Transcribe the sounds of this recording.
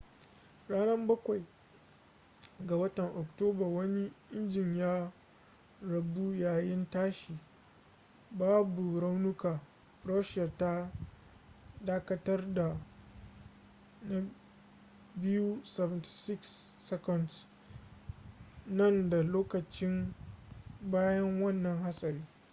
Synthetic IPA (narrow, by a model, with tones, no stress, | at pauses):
ɽaː˦nɐ˦mbɐ˦kʷa˨j | ɡa˨wɐ˦tɐ˨ŋʔɔ˨k̚toː˦ba˨wɐ˦ni˦ʔɪ˦nd͡ʒɪ˨ɲjaː˦ | ɽɐ˨bu˦jaː˨jɪ˦ntaː˦ʃi˨ | baː˦bu˨ɾa˦wnʊ˦kaː˨ | ɾɔ˦ʃɐ˨ta˦ | daː˦kɐ˦tɐ˦rda˨ | na˨ | bɪ˦ju˦sɛ˨vɪ˨nti̥˨sɪ˦ksːɛ˦kɔ˦˨nds | nɐ˦˨nda˨loː˦kɐ˨t͡ʃɪ˦m | baː˦jɐ˦ŋwɐ˦˨nːɐ˨ŋha˦sʼɐ˨ɾiː˦